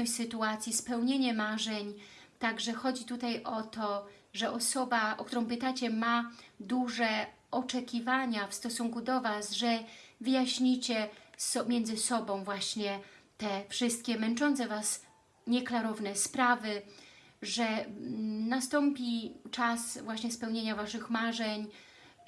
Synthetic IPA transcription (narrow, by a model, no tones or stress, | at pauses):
ɔsɘt̪uat̪sʲjispɛwɲeɲɛmaʐɛɲt̪aɡʐɛxɔd͡ʑit̪ut̪ajʔɔt̪ɔ | ʐɛʔɔsɔbaʔɔ̰k̚t̪uɾɔ̃w̃pɘt̪at͡ɕɛmad̪uʐɛ | ɔt͡ʂɛkʲivaɲafst̪ɔsuŋkud̪ɔvasʐɛvɘjaɕɲit͡ɕɛsɔmʲjɛndzɘsɔbɔ̃w̃vwaɕɲɛt̪ɛfʂɘst̪̚kʲɛmɛnt͡ʂɔnt̪sɛvas | ɲɛklaɾɔvnɛspɾavɘ | ʐɛ | nast̪ɔmpʲit͡ʂasvwaɕɲɛspɛwɲeɲavaʂɘxmaʐɛɲ